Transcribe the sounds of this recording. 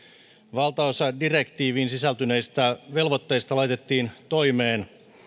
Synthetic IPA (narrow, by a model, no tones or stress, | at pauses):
ʋɑlt̪ɑosɑdirekt̪iːʋiːnsisælt̪yne̞ist̪æʋe̞lʋot̪ːejst̪ɑlɑjt̪et̪ːiːnt̪o̞jmeːn